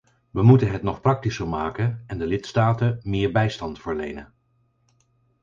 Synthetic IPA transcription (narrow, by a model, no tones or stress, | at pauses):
ʋəmutənɦɛtnɔχprɑk̚tisəɹmaːkənɛndəlɪtstaːtəmɪːɹbɛjstɑntfəɹlḛjnən